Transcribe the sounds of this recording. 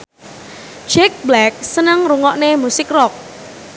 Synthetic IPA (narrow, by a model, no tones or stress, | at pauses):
d͡ʒɛk̚blɛk̚sənəŋruŋɔʔnemusɪkrɔk̚